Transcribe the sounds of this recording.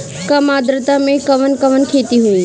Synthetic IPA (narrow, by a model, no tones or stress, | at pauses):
kɐmaːd̪ɾət̪amẽkɐʋənkɐʋənkʰeːt̪iɦui